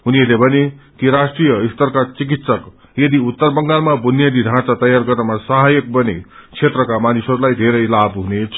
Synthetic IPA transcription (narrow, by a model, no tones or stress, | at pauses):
ɦuniʌlebʱʌnekiɾasʈrijʌist̪ʌrkat͡sik̬it̪sʌk | jʌd̪iut̪ːʌrbʌŋɡalmabʱunjad̪iɖʱãt͡sat̪ʌjarɡʌrnamasʌɦajʌk̚bʌnet͡sʰet̪rʌkamanisʌɾulajd̪ʱeɾʌjlabɦunet͡sʰ